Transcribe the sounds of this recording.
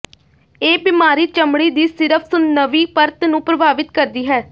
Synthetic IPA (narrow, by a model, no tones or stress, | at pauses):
eːbɪmaːɾiːt͡ʃəmɽiːd̪iːsɪɾəpʰsʊnːəʋiːpəɾt̪nũːpɾəbʱaːʋɪt̪kəɾd̪iːɦɛː